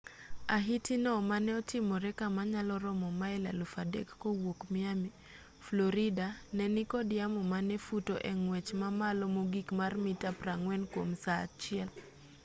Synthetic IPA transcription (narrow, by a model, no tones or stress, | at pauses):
aɦitinɔmanɛɔtɪmɔɾɛkamaɲalɔɾɔmɔmaɛla̰lufadɛ̰kːowokmɪami | flɔɾidanɛnɪkɔdɪamɔmanɛfutoʔɛŋwɛt͡ʃmamalɔmoɡikmarmɪtapraŋwɛnkwomsat͡ʃɪɛl